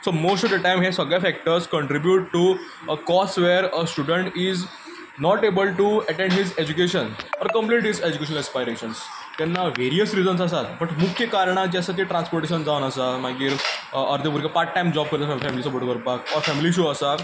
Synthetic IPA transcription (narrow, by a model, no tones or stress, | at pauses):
somosʈɔʋd̪əʈajmɦesəɡɭjafæk̚ʈəɾskəɳʈɾibjuʈʈu | əkɔsʋɛɾəsʈuɖəɳʈiz | nɔʈebəlʈuəʈẽɳɖɦid͡zed͡ʑukeɕənɔɾkə̃mpliːʈɦized͡ʑukeɕənəlɛspajɾeɕəns | t̪ɛnːaʋeɾijəsɾid͡zəns̬as̬at̪bəʈmukʰjəkaɾɳ̃ãt͡ɕasat̪iʈɾãnspoɾʈeɕ̬ənd͡zaʋənəsamaɡiːɾəɾd̪epuɾkepaʈ̚ʈːajmd͡ʑɔb̚kəɾt̪afɛmilisɔbəɽʈokəɾpakɔɾfɛmiliɕ̬uəsa